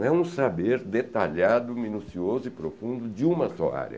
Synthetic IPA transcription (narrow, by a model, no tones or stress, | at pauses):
ɛũsabeɾd̪et̪aʎad̪ʊminusiozʊɪpɾofũnd̪ʊd͡ʒɪũmɐsɔa̰ɾjɐ̰